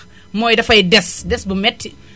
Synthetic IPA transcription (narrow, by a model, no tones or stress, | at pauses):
mɔjdɐfɐjdɛsdɛsbumɛtːi